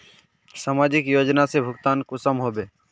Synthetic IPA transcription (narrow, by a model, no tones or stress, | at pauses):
saːmaːd͡ʒɪkjoːd͡ʒnasebʱʊɡt̪aːnkʊsəmɦoːbeː